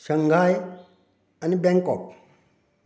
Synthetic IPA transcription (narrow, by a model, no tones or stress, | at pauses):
ʃaŋɡaj | anibeŋkɔk̚